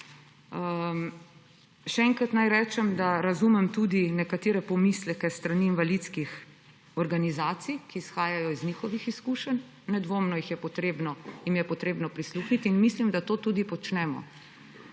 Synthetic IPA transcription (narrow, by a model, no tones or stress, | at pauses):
ʃɛɛŋkɾat̪najɾɛːt͡ʃɛmd̪aɾazumɛmt̪ud̪inɛkat̪eːɾɛpɔmislɛkɛst̪ɾaniːnʋalit̪skix | ɔɾɡanizaːt̪sijkiːsxaːjajɔizniːxɔʋixiskuʃən | nɛd̪ʋoːmnɔjixjɛpɔt̪ɾeːbnɔjimjɛpɔt̪ɾeːbnɔpɾisluːxnit̪inmislimd̪at̪oːt̪uːd̪ipɔt͡ʃnɛːmɔ̰